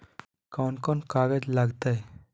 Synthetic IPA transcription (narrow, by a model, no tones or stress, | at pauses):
kawnkɔnkaɡed͡zlaɡt̪aj